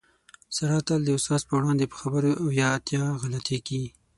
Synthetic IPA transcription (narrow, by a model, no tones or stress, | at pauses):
saɾɑt̪ald̪əʊsɑzpəwɽɑnd̪epə̥xabəɾoawjɑːt̪jɑɣalat̪eki